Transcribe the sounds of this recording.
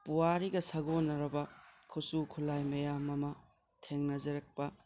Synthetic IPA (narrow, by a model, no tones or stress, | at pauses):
puwaɾiɡɐsɐɡonːɐɾɐbɐkʰusukʰulajmɐjamɐmɐ | tʰeŋnɐzɐɾɐk̚pɐ